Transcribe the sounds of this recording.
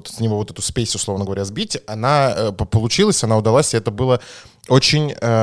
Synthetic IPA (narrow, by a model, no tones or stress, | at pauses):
t̪sʲnʲɪvovo̞t̪ɛt̪ʊspʲesʲʊslˠo̞vnəɡəvɐɾʲazbʲitʲɐnappəlˠʊt͡ɕilˠəsʲɐnaʊd̪ɐlˠasʲɪɛt̪əbɨlˠə | o̞t͡ɕɪnʲə